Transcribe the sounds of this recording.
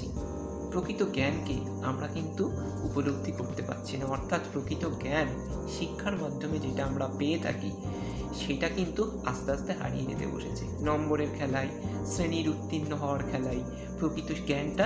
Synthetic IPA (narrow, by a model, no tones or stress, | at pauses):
i | pɾokɾit̪oɡɛnke | amɾakint̪u | upoloɡ̚d̪ʱikoɾt̪epa̰ɾːɕʰinaɔɾt̪ʰat̪pɾokɾit̪oɡɛn | ʃikʰːaɾmad̪ʱːomed͡ʑeʈaamɾapeet̪ʰa̰ki | ʃeʈakint̪u | ast̪ast̪eɦa̰ɾḭjḛd͡ʑḛt̪ḛbo̰ʃet͡ɕʰenɔmboɾeɾkʰɛlaesɾeniɾut̪ːinːoɦɔoaɾkʰɛlae | pɾokɾit̪oɡɛnʈa